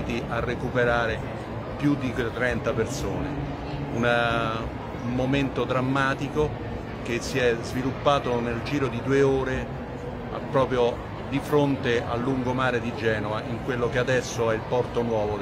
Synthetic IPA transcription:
t̪iʔarːekupeɾaːɾe | pjud̪it̪ɾɛnt̪apersoːne | una | moment̪od̪ɾamːaːt̪iko | k̟esːiɛzvilupːaːt̪oneld͡ʒiːɾod̪id̪uːeoːɾe | a̰pːɾɔːpɾjo | d̪ifɾont̪eʔa̰lːuŋɡomaːɾed̪id͡ʒɛːnovaʔiŋkwelːokead̪ɛsːoɛilpɔrt̪onwɔːvo

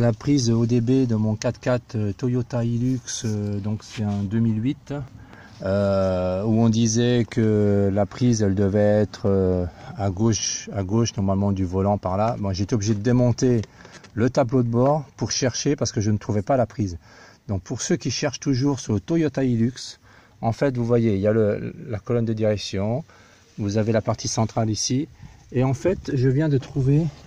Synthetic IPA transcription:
lapχizod̪ebed̪əmɔ̃kat̪kʲat̪øt̪ɔjɔt̪ailyksød̪ɔ̃ksɛɛ̃d̪ømilɥit̪ | ø | uɔ̃d̪izɛkʰəlapχizɛld̪əvɛɛt̪χøaɡoʃaɡoʃnɔʁmalmɑ̃d̪yvɔlɑ̃paʁlabɔ̃ʒeet̪eɔbliʒed̪əd̪emɔ̃t̪elət̪ablod̪əbɔʁpuʁʃɛʁʃepaʁsə̥kəʒənət̪χuvɛpalapχiz | d̪ɔ̃k̚puʁsøkʲiʃɛʁʃt̪uʒuʁsyʁlət̪ojɔt̪ailyks | ɑ̃fɛt̪vuvwajeiljaləlakɔlɔnd̪əd̪iʁɛksjɔ̃ | vuzavelapaʁt̪ʰisɑ̃t̪χalisieɑ̃fɛt̪ʒəvjɛ̃d̪ət̪χuve

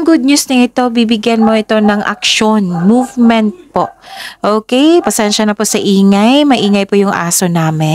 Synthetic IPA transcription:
ŋɡʊd̪̚ɲusnɐŋɪt̪o̞bibɪɡjɐnmo̞ʔɪt̪o̞nɐŋʔɐ̰k̚ʃonmuvmɛnt̪̚poʔʔoːkɛjpɐsɛnʃɐnɐpʊsɐʔiːŋɐjmɐʔiːŋɐjpʊjʊŋʔa̰ːsonaːmɛ

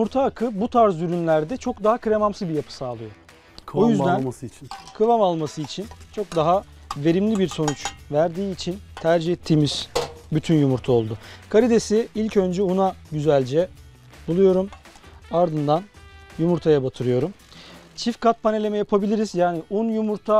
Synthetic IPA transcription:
jumuɾt̪ʰaːkʰɯbut̪ʰaɾzyɾynlʲæɾd̪ɛt͡ʃʰo̞k̚d̪aɦakɾe̞mamsɯzbijapʰɯ̥saːlˠɯjo | ojyzd̪ænskʰɯvamalˠmasɯit͡ʃʰint͡ʃʰo̞k̚d̪aɦa | ve̞ɾimlʲibiɾso̞nut͡ʃvæɾd̪iːt͡ʃʰint̪ʰæɾd͡ʒihɛt̪ʰːiːmiz̥byt̪ʰynjumuɾt̪ʰao̞lˠd̪ʊkʰaɾid̪esiilʲcø̞nd͡ʒɛunaɟyzælʲd͡ʒɛ | bulˠujo̞ɾum | aɾd̪ɯnd̪anjumuɾt̪ʰajabat̪ʰɯɾɯjo̞ɾum | t͡ʃʰifkat̪̚pʰane̞lʲe̞mɛjapʰabilʲiɾizjaːniʔunjumuɾt̪ʰa

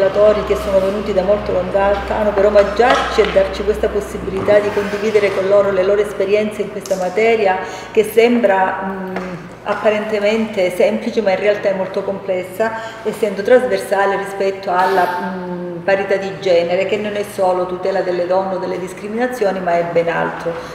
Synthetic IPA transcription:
lat̪ɔːɾik̟esːoːnovenuːt̪id̪amolt̪olond̪alt̪anːopeɾɔmad͡ʒːart͡ʃiɛd̪ːart͡ʃikwest̪aposːibilit̪ad̪ikond̪iviːd̪eɾekonloːɾoleloːɾoespeɾjɛnt̪seiŋkwest̪amat̪ɛːɾja | k̟esːɛmbɾa | apːaɾent̪ement̪esɛmplit͡ʃemainrealt̪aɛmːolt̪okomplɛsːaɛsːɛnd̪ot̪ɾazversaːlerispɛt̪ːoalːa | paɾit̪ad̪ːid͡ʒɛːneɾekenːonɛsːoːlot̪ut̪ɛːlad̪elːed̪ɔnːeod̪elːed̪iskɾiminat̪sːjɔːnimaɛbːɛna̰lt̪ɾo

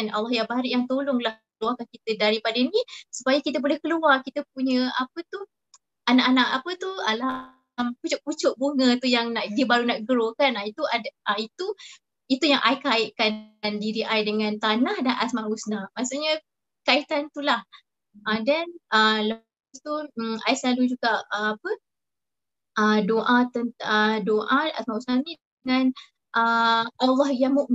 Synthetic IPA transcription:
na̰lːɔhjabaɾiʔjaŋt̪olʊŋlah | əluarkankit̪ədaɾipadənĩsu̥pajəkit̪əbolɛhkəluarkit̪əp̚uɲə̃apət̪uh | ʔanaʔanaʔapət̪ualah | mput͡ʃʊʔput͡ʃʊʔbuŋə̃t̪ujaŋnaʔdibaɾunaʔɡəɾokanait̪uadait̪u | it̪ujaŋʔajkaɪʔkanndiɾiʔajdəŋãnt̪anahdanʔasmaʔhusnamasuʔɲa | kait̪ant̪ulah | ʔadanələpast̪uaisəlalud͡ʒuɡaʔəapə | ʔədoʔat̪ənədoʔaa̰smausnanĩdəŋan | ʔəʔalːɔhjaŋmuʔm

